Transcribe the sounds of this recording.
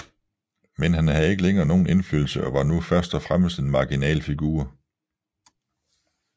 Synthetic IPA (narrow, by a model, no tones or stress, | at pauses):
menɦænhæð̩ˠe̝ɡ̥əleŋɐːno̝ːn̩e̝nfyl̰l̩səʔɒ̽ʋɑ̈nufɶɐsd̥ɒfʁaməsd̥e̝nmɑ̈ɡ̥inɛ̰ːlfiɡ̥ṵːɐ